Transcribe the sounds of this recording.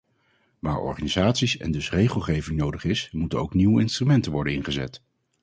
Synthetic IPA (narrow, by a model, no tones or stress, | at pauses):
ʋaːɹɔ̰ɹχanizaːtsisɛ̰ndɵsrejχəlˠχejvɪŋnowdəχɪsmutənowkniwəɪnstrymɛntənʋɔɹdənɪnχəzɛ̰t